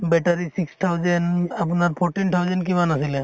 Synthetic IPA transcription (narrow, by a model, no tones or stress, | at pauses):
bɛʈaɾisikst̪ʰawzɛnap̬unaɹpʰɔɹʈintʰawzɛnk̬imanasilɛ